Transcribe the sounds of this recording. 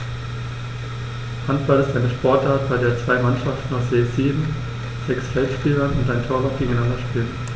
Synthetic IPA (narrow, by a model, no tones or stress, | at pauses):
hantb̥alɪstʔaɪnəʃpʰɔɐtʔaːɐt̚b̥aɪdeːɐt͡sv̥aɪmanʃaftn̩aʊsz̥eːz̥iːbm̩ | z̥ɛksfɛltʃpiːlɐnʊntʔaɪntʰoːɐlat̚ɡ̥eːɡŋ̩aɪnandɐʃpiːlən